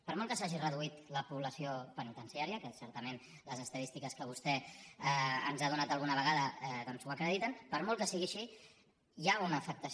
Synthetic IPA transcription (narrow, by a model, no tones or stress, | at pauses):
pəɾmɔlˠkəsaʒirəðuit̪ləpuβləsiopənit̪ənsiaɾiəkəsɛɾt̪əmen | ləzəst̪əðist̪ikəskəβ̞ust̪ɛ | ənzað̞unat̪əlˠɣ̞unəβ̞əɣaðəɛðɔnzuəkɾəðit̪ənpəɾmɔlˠkəsiɣiəʃi | jaunəːfək̚t̪əs